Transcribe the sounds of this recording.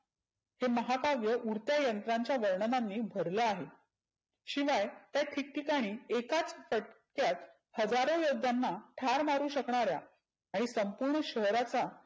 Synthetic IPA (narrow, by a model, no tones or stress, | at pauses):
heməɦakaʋjəʔuɾt̪jajənt̪ɾaɲt͡ɕjaʋəɾɳənanːiːbʱəɾləaɦe | ɕiʋajt̪jaʈ̪ʰik̚ʈikaɽ̃iːekat͡sfəʈ | kjat̪ | həd͡zaɾõjod̪ʱːanːaʈʰaɾmaɾuːɕəkɳaɾja̰ | aɽ̃isəmpuɾɳəɕəɦɾat͡sa